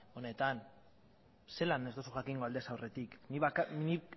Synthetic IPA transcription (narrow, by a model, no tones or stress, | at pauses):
o̞ne̞t̪an | se̞lane̞zt̪o̞suʝakiŋɡoald̪e̞sawre̞t̪ikniβakni